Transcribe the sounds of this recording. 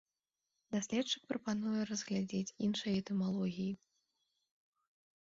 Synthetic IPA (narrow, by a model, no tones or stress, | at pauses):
d̪asʲlʲɛt̪t͡ʂɨk̚pɾɐpanujɛɾɐzɣlʲad͡zʲet͡sʲinʂɐjɛt̪ɛmalˠɔɣʲiji